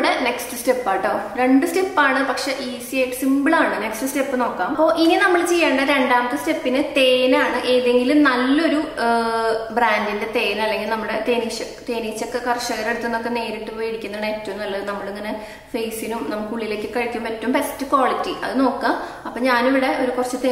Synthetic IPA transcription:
ɽene̞kstɨste̞pːaːiʈːɐɾe̞ɳɖɨste̞pːaːɳɨpɐkʂe̞ʔiːsieːʈsimbɨɭaːɳɨnekstɨste̞pːɨno̞ːkːaːmɐpːo̞ːʔininɐmːɐɭt͡ɕe̞jːaːɳɖɐɾe̞ɳɖaːmɐt̪ːɨste̞pːinɨt̪e̞ːnaːɳɨʔeːðe̞ŋɡilumnɐlːɐo̞ɾu | braːndinde̞t̪e̞ːnɐlːe̞ŋɡilnɐmːɐɽet̪eːnit͡ɕːɐ | t̪e̞ːniːt͡ɕːokːekɐrʂɐɣɐɾeɽut̪ːunːo̞kːe̞ne̞ːɾiʈːɨpoːjeɽikʲːunːɐɳetːɐʋunːɐlːɐðɨnɐmːɐɭɨŋːɐne̞ | fejsinumnɐmːuɭkːɨuɭːile̞ːkːɨkɐɻikʲːɐumɐtːɐʋumbe̞stːɨkwaːɭitːiʔɐ̰ðɨno̞ːkːaːm | ɐpːoːɲaːniʋiɽe̞ʔo̞ɾukurɐt͡ɕːɨt̪e

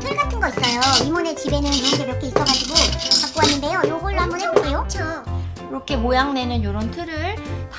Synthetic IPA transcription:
tʰɯɭɡatʰɯnɡʌis͈ʌjoimune̞t͡ɕibe̞nɯnjonɡebjʌkʰeis͈ʌɡad͡ʑiɡokʰak̚k͈uɦaɲːinde̞jojoɡɯɭːhambʌneokɯɾejot͡ɕʰokɾʌkʰe̞mojaŋne̞nɯnjoɾontʰɯɾɯɭp

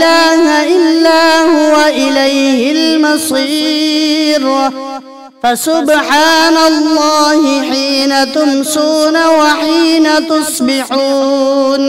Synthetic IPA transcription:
aːhaʔɪlːaːhʊwaʔɪlajhɪlmɑsˤiː | ɾ | fasʊbħaːnalˤːɑːhɪħiːnat̪ʊmsuːnawaħiːnat̪ʊsˤbɪħuːn

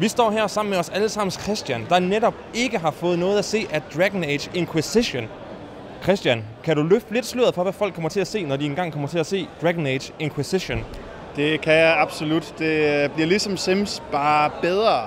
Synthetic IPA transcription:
ʋisd̥ɒ̰ːɦæɐsɑ̈m̰n̩meɒ̽sæləsɑ̈m̰n̩skʰʁɛsd̥jænd̥ɑ̈neɾɒ̽b̥̚e̝ɡ̥əɦɑ̈fɔ̽ːð̩ˠnɔ̽ːð̩ˠæse̝̰ːʔæd̥ʁæɡ̥n̩e̥ɕeŋkʰwisiɕon | kʰʁɛsd̥jænkʰæɾulø̥le̝d̥sløɐð̩ˠfɒ̽ʋæfɒl̰ɡ̥̚kʰːɒ̽mɐt͡sʰe̝læse̝̰ːnɒdienɡ̥ɑ̈ŋ̰kʰɒ̽m̰ɐt͡sʰe̝læse̝̰ːd̥ʁæɡ̥n̩e̥ɕe̝ŋkʰwisiɕon | d̥e̝kʰæjaɑb̥solud̥d̥e̝b̥liɐ̰lisɒ̽msemsb̥ɑ̈ːb̥eð̞ˠʁɐ

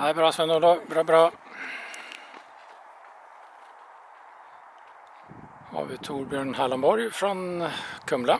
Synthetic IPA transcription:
hæɪbɾɑːsʋɛnɔd̪oːbɾɑːbɾɑː | hɑ̰ːʋɪt̪ʰuːɾbjøːɳhæːləmbɔɾfɾɔnkʰœmlə

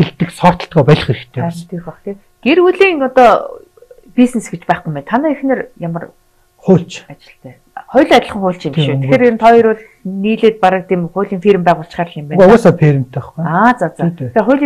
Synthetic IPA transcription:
xeɮt̪ɘ̆ksɔrt̪ɞ̆ɬt̪ɡɔːpæɮχeɾɘ̆kt̪ʰeːæːənt̪ʰexɔχt̪eː | ɡ̥eruɮiːŋɔt̪ɔː | pʲisnesɡet͡ɕpæːχɡujmpæːnt̪ʰanæːixnĕːrjamə̆r | χʊːɬt͡ɕat͡ɕɪ̆ɬt̪ʰæː | χɔjɮʲat͡ɕ̪̆ʲə̆χə̆ŋχʊːɬt͡ɕimʃuːt̪ʰe̥xxeːɾent̪ʰɔiɾʊːɮxniːɮeːt̪̚paɾə̆k̚t̪ʰeːmχʊːɮʲiːŋfirmpæːʁʊːɬt͡ɕχaːrɮimpæːnɔɔːsaːpʰeɾʲim̥t̪ːæχaːt͡saːt͡saexeːrχʊjɮʲi

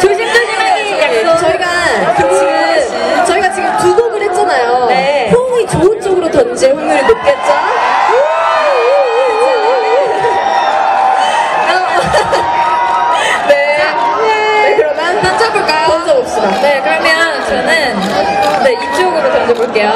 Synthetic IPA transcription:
t͡ɕoɕ̬ʰimdɯɭɕima | jaisʰʌt͡ɕʌiɡat͡ɕoŋɕʰimɯ | t͡ɕʌiɡat͡ɕiɡɯmtuɡoɡɯɭhet̚t͡ɕ͈anajonepʰoŋit͡ɕoɯnt͡ɕ͈ʌɡɯɾotʌnd͡ʑeɸuŋɲuɾinop̚k͈e̞t̚t͡ɕ͈o | kʌ | ne̞ | ekɯɾʌmʌtant͡ɕ͈ʰak͈ʰɯɭk͈ajokʌsʰʌop̚s͈ʌnekɯɾamjʌnt͡ɕʌnɯn | ne̞ip̚t͡ɕ͈ʌɡɯɾotʌnd͡ʑeboɭk͈e̞jo

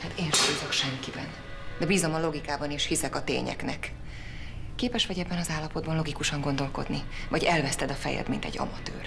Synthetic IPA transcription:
hat̪eːnʃt̪uːzokʃɛŋkibɛn | d̪ɛbiːzo̞mɒlo̞ɡikaːbɒneːʃhisɛkɒt̪ḛːɲɛ̰knɛ̰kː | eːpɛʃʋɒɟɛbːɛnɒzaːlːɒpo̞d̪bɒnlo̞ɡikuʃɒŋɡo̞nd̪o̞lko̞̰d̪nivɒɟɛlvɛst̪ɛd̪ɒfɛ̰jɛ̰d̪mint̪ɛ̰ɟːɒ̰mɒt̪ø̰ːr

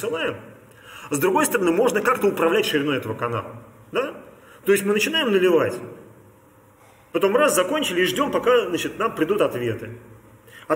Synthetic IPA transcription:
sɨlˠajɪm | zd̪ɾʊɡo̞jst̪əɾɐnɨmo̞ʐnəkakt̪əʊpɾɐvlʲætʲʂɨɾʲɪno̞jɛt̪əvəkɐna̰lˠə | d̪a | t̪o̞jɪsʲtʲmɨnət͡ɕɪnajɪmnəlʲɪvatʲ | pɐt̪o̞mraszɐko̞nʲt͡ɕɪlʲɪiʐdʲo̞mpɐkazat͡ɕɪt̪nampɾʲɪd̪ut̪ɐt̪vʲe̞t̪ɨ | ɐ

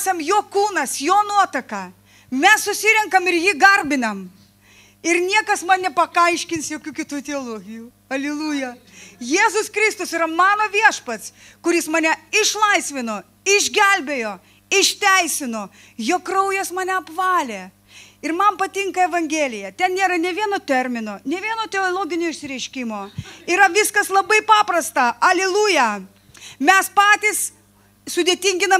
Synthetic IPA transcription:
sɐmjoːkuːnɐsjoːnuɔt̪ɐkɑː | mʲɛsːʊsʲɪɾʲɛŋkɐmɪɾjɪɡɐrʲbʲɪnɐm | ɪɾnʲiɛkɐsmɐnnʲɛpɐkɐɪʃʲkʲɪnsjoːkʲuːkʲɪt̪uːt̪ʲɛoːlˠoːɡʲɪjuː | ɐlʲɪlˠuːjɛ | jeːzʊskɾʲɪst̪ʊsɪɾɐmɑːnoːʋʲiɛʃpɐt̪s | kʊɾʲɪsmɐnʲɛɪʃlˠɐɪsʲʋʲɪnoː | ɪʒʲɡʲɛlʲbʲeːjoː | ɪʃʲt̪ʲɛɪsʲɪnoː | joːkkːɾɐʊjɛsmɑːnʲɛɐpʋɑːlʲeː | ɪɾmɐnpɐt̪ʲɪŋkɐɛʋɐŋʲɡʲeːlʲɪjɛt̪ʲɛnnʲeːɾɐnʲɛʋʲiɛnoːt̪ʲɛɾʲmʲɪnoːnʲɛʋʲiɛnoːt̪ʲɛoːlˠoːɡʲɪnʲʊɪʃʲsʲɪɾʲɛɪʃʲkʲɪmoːiɾɐʋʲɪskɐslˠɐbɐɪpɑːpɾɐst̪ɑɐlʲɛlˠuːjɛ | mʲɛspɑːt̪ʲɪs | sʊd̪ʲeːt̪ʲiŋʲɡʲɪnɐ

